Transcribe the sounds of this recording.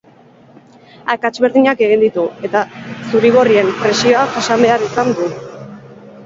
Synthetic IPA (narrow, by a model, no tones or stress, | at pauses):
akat͡ʃβe̞ɾðiɲake̞ɣind̪it̪ue̞t̪asuɾiɣ̞o̞rie̞mpɾe̞sio̞aʝasambe̞aɾisand̪u